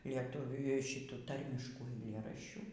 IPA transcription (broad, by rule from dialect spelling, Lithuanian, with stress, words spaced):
lʲiɛˈtʊʋʲuː ˈʃʲɪtuː ˈtɐrʲmʲɪʃkuː ɐɪˈlʲeːrɐʃʲt͡ʃʲuː